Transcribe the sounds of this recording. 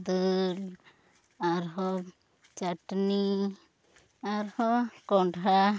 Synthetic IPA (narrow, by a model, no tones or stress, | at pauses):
d̪ul | aɾɦɔ | t͡ʃaʈni | aɾhɔkɔɳɖʱa